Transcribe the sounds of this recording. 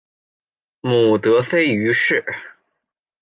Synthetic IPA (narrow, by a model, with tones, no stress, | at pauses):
mu˨˩t̪ɤ˧˥fe˥ɪy˧˥ʂɻ̩˥˩